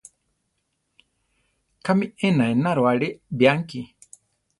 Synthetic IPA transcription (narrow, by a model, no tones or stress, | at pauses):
kʰamiɛnaenaɾowaɺibijaŋki